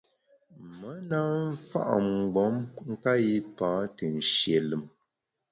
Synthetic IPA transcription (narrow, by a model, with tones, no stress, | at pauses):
mə˦na˦ɱ̩˦fa̰˦ʔŋ͡m̩˨ɡ͡bɔ˨˦mŋ̩˦ka˦ji˦pãː˨˦tə˨n̩˨ʃje˨lɨ˨m